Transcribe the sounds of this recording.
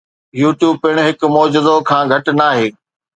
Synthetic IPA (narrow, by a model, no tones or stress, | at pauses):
juːʈjuːb̚pɪɽ̃ɦɪkmɔːd͡ʑɪzokʰãːɡʱɐʈnaːɦeː